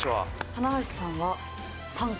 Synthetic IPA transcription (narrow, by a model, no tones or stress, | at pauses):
oβa̰t̪anaɦaɕi̥sãɰ̃βa | sãŋ